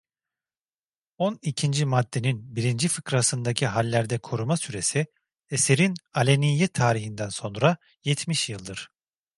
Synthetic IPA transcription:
o̞nicʰind͡ʒimad̪ːe̞ninbiɾind͡ʒifɯkɾasɯnd̪acʰiɦalʲːæɾd̪ɛkʰo̞ɾumasyɾe̞si | ese̞ɾinalʲenijɛt̪ʰaːɾiɦind̪ænso̞nɾa | jɛt̪ʰmiʃjɯlˠd̪ɯɾ̥

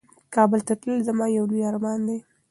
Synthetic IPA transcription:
kɑbəlt̪at̪ləlzamɑjawlujɑɾamɑnd̪ej

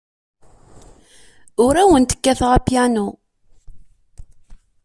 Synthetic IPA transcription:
ʊɾæwənt̪ə̥kːæθʁapjænu

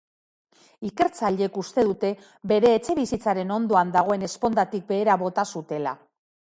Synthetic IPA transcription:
ike̞ɾt͡saʎe̞kust̪e̞ðut̪e̞ | be̞ɾe̞ːt͡se̞βisit͡saɾe̞no̞nd̪o̞and̪aɣ̞o̞e̞ne̞spo̞nd̪at̪ik̚be̞ːɾaβo̞t̪asut̪e̞la̰

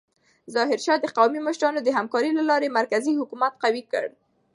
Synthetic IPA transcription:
zɑɦɪɾʃɑd̪əqawmimʊʃɾɑnod̪əɦamkɑɾilalɑɾemaɾkazihʊkumat̪̚qawikə̰ɽ

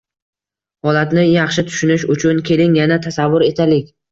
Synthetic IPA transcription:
hɒlat̪nɪjɑχʃɪt̪ʰʊ̥ʃʊnɪʃʊt͡ʃʰʊnkʲʰe̞lɪŋjanat̪ʰasavːʊɾe̞t̪ʰalɪkʲ

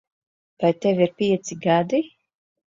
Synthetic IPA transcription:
vajt̪evʲiɾpʲiɛt̪siɡad̪i

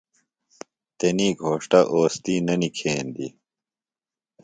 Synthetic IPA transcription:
t̪eniːɡʱoːʂʈɐʔoːst̪iːnɐnikʰeːnd̪ḭ

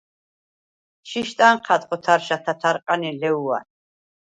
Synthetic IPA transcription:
ʃiʃt̪ʼanqʰat̪ʼqʼɔt̪ʰaɾʃat̪ʰat̪ʰaɾqʼanilɛua̰n

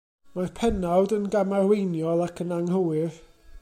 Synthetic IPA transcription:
marpʰɛnawdənɡamarwejnjɔlˠakʰənaŋɦəwɨð

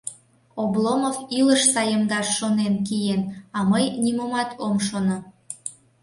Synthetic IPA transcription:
oblomoviləʃsɑjəmd̪ɑʃːonenkijenɑməjnimomɑt̪ʰomʃono

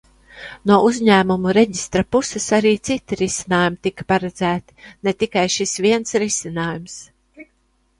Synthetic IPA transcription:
nuɔʔuzʲɲæːmumuɾeɟist̪ɾapusɛsaɾiːt̪sit̪iɾisinaːjumt̪ikḁpaɾɛd̪z̥æːt̪i̥net̪ikajʃisvʲiɛnsɾisinaːjums

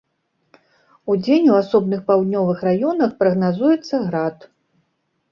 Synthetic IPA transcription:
ud͡zʲenʲuasɔbnɨxpawd̪ʲnʲɔvɨxrajɔnɐxpɾɐɣnazujɛt̪sːɐɣɾat̪

